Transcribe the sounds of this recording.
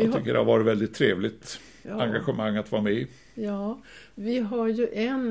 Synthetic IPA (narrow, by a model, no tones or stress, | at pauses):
ʏkːəɖɛ̰haɾvɑːɾɪt̪vɛld̪ɪt̪ʰːɾeːvlɪt̪ | aŋɡaɧəmaŋːat̪vɑːɾmɛɪ | vɪɦaɾjɵʔɛn